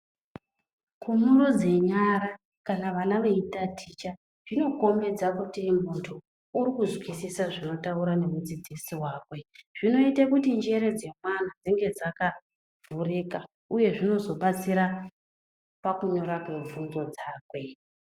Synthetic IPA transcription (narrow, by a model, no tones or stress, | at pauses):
kʰumurod͡ze̞ɲaɾa | kanaʋanaʋe̞itatʰit͡ʃa | ʐino̞ko̞me̞d͡zakutimuntʰo | uɾikuzwisisaʐino̞tauɾane̞mud͡zid͡zisiwaːkwe̞ʐ̥ino̞itakutind͡ʒe̞ɾe̞d͡ze̞mwan̤ad͡ziŋɡe̞d͡zaka | vurika | uje̞ʐino̞zo̞ɓat͡siɾa | pakuɲo̞ɾakwe̞ɱvunzo̞d͡zaːkwe̞